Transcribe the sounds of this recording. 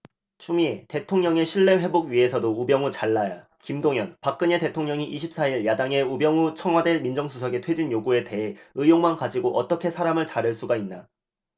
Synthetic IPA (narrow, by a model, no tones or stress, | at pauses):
t͡ɕʰumiete̞tʰoŋɲʌŋe̞ɕʰiɭːe̞ɸe̞boɡɥie̞sʰʌdoubjʌŋut͡ɕaɭːaja | kimdoŋjʌnpak͈̚ɯɲe̞te̞tʰoŋɲʌŋiʔiɕʰip̚s͈aiɭjadaŋe̞ubjʌŋut͡ɕʰʌŋɦwade̞nmind͡ʑʌŋsʰus̬ʰʌɡe̞tʰwe̞d͡ʑinjoɡue̞te̞ɦe̞ɯjoŋmankad͡ʑiɡoʔʌt͈ʌkʰe̞sʰaɾamɯɭt͡ɕaɾɯɭs͈uɡainːa